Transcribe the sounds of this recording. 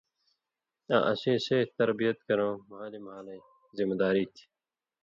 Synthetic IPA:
ã̰ːʔɐsẽːseːt̪ɐɾbijɐt̪kɐɾõːmɐɦaːlimɐɦaːlɐ̃ | zimɐd̪aːɾiːt̪ʰi̥

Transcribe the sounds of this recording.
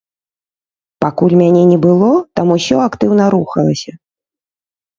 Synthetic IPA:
pakulʲmʲanʲɛnʲɛbɨlˠɔt̪amusʲɔakt̪ɨwnɐɾuxɐlˠɐsʲɐ

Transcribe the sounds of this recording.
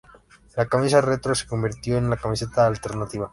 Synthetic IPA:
lakamis̬aret̪ɾo̞seko̞mbiɾt̪jo̞enlakamise̞t̪aːlt̪e̞ɾnat̪iβa

